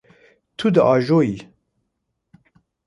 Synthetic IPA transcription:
t̪ʰud̪əʔɑːʒoːji

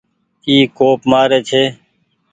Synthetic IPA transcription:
iːkoːpmaːɾeːt͡ʃʰeː

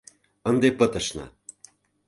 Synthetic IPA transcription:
ənd̪epə̆t̪ɤ̆ʃnɤ̰

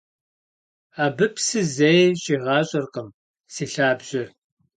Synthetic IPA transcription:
aːbɨpsɨzejɕʼiʁɑːɕʼɐrqəm | siːɬaːbʑɪr

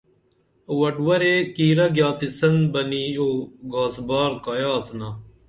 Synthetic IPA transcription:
wɐʈwɐɾekiːɾɐɡjaːt͡sisɐnbɐnioːɡaːzbaːɾkajaːzna

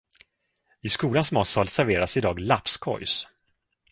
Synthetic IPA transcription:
ɪskuːlansmɔːt̪sɑːlsæɾveːɾasɪd̪ɑːɡlapskʰɔ̰js

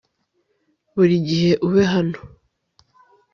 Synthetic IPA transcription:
βuɾiɟiɦe̞ʔuβeɦano̥

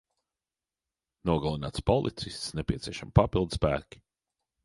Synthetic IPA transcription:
nuɔɡalˠinaːt̪spɔlˠḭt̪sist̪snɛpʲiɛt̪siɛʃamipapilˠd̪spæ̰ːkʲi̥

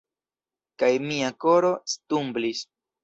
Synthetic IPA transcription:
kajmiako̞ɾo̞st̪umblis

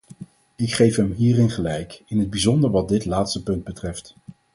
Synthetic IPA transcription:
ɪkχejfɦɛmɦiːrɪnχəlɛjkɪnɦəd̚bizɔndəɹʋɑt̚dɪtlaːtstəpɵnd̚bətrɛft

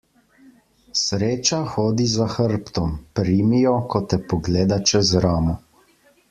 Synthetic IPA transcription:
sɾeːt͡ʃaxoːd̪izaxəɾpt̪ɔmpɾiːmijɔkɔt̪ɛpɔɡleːd̪at͡ʃɛzɾaːmɔ

